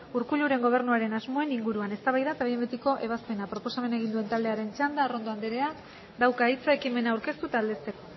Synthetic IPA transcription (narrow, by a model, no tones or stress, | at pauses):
uɾkuʎuɾe̞ŋɡo̞β̞e̞ɾnuaɾe̞nazmo̞e̞niŋɡuɾuane̞st̪aβajðat̪aβembet̪iko̞ʔe̞β̞aspe̞napɾo̞po̞same̞ne̞ɣind̪ue̞nt̪aβld̪e̞aɾe̞nt͡ʃand̪aro̞nd̪o̞and̪eɾe̞ak | d̪awkait͡saekime̞naːwɾke̞st̪ut̪aːld̪e̞st̪e̞ko